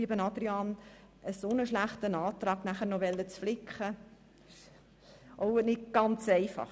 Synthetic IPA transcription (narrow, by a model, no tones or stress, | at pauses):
iəbənɑd̥̪ɾiɑːn | əsonəʃlæχtənɑːt̪ɾɑːɡ̥næχəɾnɔʋɛlːət͡sflɪkχə | ʔoʊnɪtɡ̥ɑnt͡sɛɪfɑ̰χ